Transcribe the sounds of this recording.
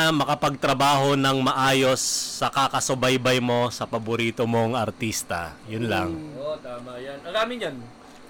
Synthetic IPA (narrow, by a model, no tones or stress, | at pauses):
mɐkɐpɐɡ̚t̪ɾɐbaːɦo̞nɐŋmɐʔaːjo̞sːɐkakɐsʊbɐjbɐjmo̞sɐpɐbʊɾiːt̪omo̞ŋɐɾt̪ist̪ɐ̰jʊnlɐ̰ŋot̪aːmɐjanɐɾaːmɪɲan